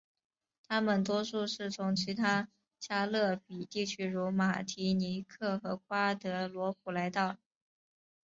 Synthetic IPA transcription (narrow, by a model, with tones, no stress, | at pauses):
t̪ʰa˥mə˨nt̪wɔ˥ʂu˥˧ʂɻ̩˥˩t͡sʰʊ˧˥ŋt͡ɕʰi˧˥t̪ʰa˥ | t͡ɕja˥lɤ˥˩pi˨˩t̪i˥˩t͡ɕʰy˥ɻu˧˥ma˨˩t̪ʰi˧˥ni˧˥kʰɤ˥˩xɤ˧˥k̚ʰwa˥t̪ɤ˧˥lwɔ˧˥p̚ʰu˨˩la˧˥ɪt̪ɑ˥˩ʊ